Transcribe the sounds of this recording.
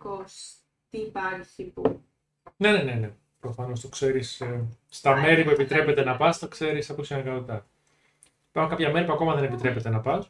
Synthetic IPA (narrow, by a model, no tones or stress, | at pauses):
kos | t̪iːpɐɾçç̥ipu | ne̞nene̞ne̞ | pɾo̞fɐno̞st̪okse̞ɾisː | t̪ɐme̞ɾipue̞pit̪ɾe̞pe̞t̪e̞nɐpɐst̪okse̞ɾisɐposinɐɣɐot̪t̪ɐ | ipɐɾxuŋkɐpçɐme̞ɾipuɐko̞mɐðe̞ne̞pit̪ɾe̞pe̞t̪e̞nɐpɐs